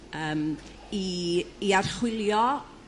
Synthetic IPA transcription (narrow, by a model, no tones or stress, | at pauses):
əːm | iiarχwɪlˠjɔ